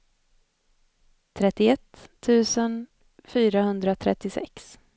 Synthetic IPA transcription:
t̪ʰɾɛt̪ːɪɛt̪ʰːʉ̟ːsən | fyːɾahɵnd̪ɾat̪ʰɾɛ̰t̪ːɪsɛ̰ks

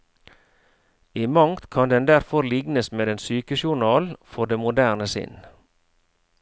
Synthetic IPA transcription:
iːmɑŋt̪kʰɑnd̪ɛnd̪æɾfɔɾlɪɡnəsmeːd̪ɛnsyːkəʃʊɳɑːlfɔɖ̪eːmʊd̪æːʁnəsɪ̰n

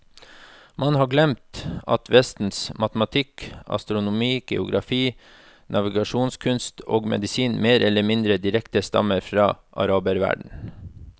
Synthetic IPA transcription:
mʔɑnhɑːɡlɛmt̪ɑ̰t̪ʰʋɛst̪n̩smɑt̪əmɑt̪ʰɪkɑ̰st̪ɾʊnʊmiːɡ̥ɛ̰ʊɡɾɑfiː | nʔɑʋɪɡɑʂuːnskʰʉnst̪oːɡmɛ̰d̪ɪsiːnmeːɾʔɛlːəmɪnd̪ɾəd̪ɪɾɛkt̪əst̪ɑ̰məɾfɾɑ̰ːʔɑ̰ɾɑːbəɾʋæ̰ɖɳ̩

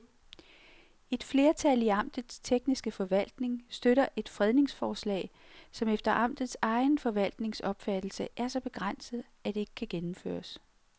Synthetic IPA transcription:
e̝d̥fle̝ːɐt͡sʰæliɑ̈m̰d̥ð̩ˠst͡sʰeɡ̥nisɡ̥əfɒ̽ʋæl̰d̥ne̝ŋsd̥øɾɐʔe̝d̥fʁɛðˠne̝ŋsfɒːslɛ̰ːɪsɒ̽mefd̥ɐʔɑ̈m̰d̥ð̞̩ˠsɑ̈ɪnfɒ̽ʋæl̰d̥ne̝ŋsɒ̽b̥fæd̥l̩səʔæɐsɒ̽b̥e̝ɡ̥ʁan̰səð̩ˠ | æd̥e̝e̝ɡ̥əkʰæɡ̥enm̩fø̰ːɐs

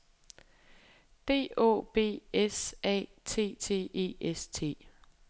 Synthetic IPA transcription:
d̥e̝̰ːo̝̰ːb̥e̝̰ːesɛ̰ː | t͡sʰe̝̰ːt͡sʰe̝̰ːʔe̝̰ːʔest͡sʰe̝̰ː

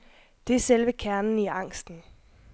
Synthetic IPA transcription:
d̥e̝æɐselʋəkʰæɐnn̩iɑ̈ŋ̰sd̥n̩

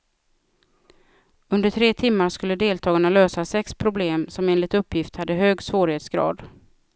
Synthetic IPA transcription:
ɵnd̪əʈʰɾeːt̪ʰɪmːaɾʂkɵlːəd̪eːlt̪ʰɑːɡaɳaløːsasɛkspʰɾʊbleːmsɔmeːnlɪt̪ɵpʰːjɪft̪had̪ːəɦøːɡsvoːɾheːt̪sɡɾɑ̰ːd̪

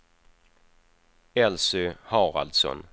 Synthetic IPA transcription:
ɛlsʏhɑːɾa̰ld̪sɔ̰n

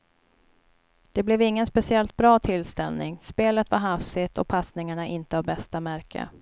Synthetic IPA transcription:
d̪̥ɛblɛvɪŋːənspɛsɪɛlt̪̚bɾɑːt̪ʰɪlst̪ɛlnɪŋspeːlət̪vaɾɦafsɪt̪ɔpʰasnɪŋaɳaʔɪnt̪əhaɾbɛst̪amæɾkʰə̰

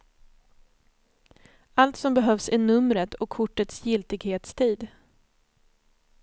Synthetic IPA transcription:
alt̪sɔmbɛɦœvsæɳɵmɾət̪ʰɔkʰːʊʈːət̪sjɪlt̪ɪɡheːt̪st̪ʰiːd̪

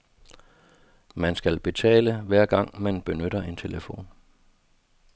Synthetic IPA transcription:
mænsɡ̥ælb̥e̝t͡sʰɛ̰ːləʋæɐ̰ɡ̥ɑ̈ŋ̰mænb̥e̝nøɾ̥ɐe̝nt͡sʰe̝ləfo̝̰ːn

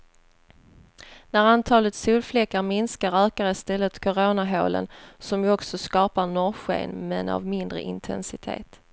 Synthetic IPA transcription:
næɾant̪ʰɑːlət̪suːlflɛkːaɾmɪnskaɾøːkaɾɪst̪ɛlːət̪kʰʊɾoːnaɦo̰ːlə̰nsɔmjɵɔksɔskɑːpaɳɔɾɧḛːnmɛna̰vmɪnd̪ɾə̰ʔɪnt̪ʰɛ̰nsɪt̪ʰḛːt̪

